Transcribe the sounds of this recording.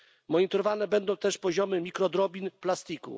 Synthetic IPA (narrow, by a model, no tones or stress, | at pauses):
mɔɲit̪ɔɾɔvanɛbɛnd̪ɔ̃w̃t̪ɛʂpɔʑɔmɘmʲikɾɔd̪ɾɔbʲinplast̪ikṵ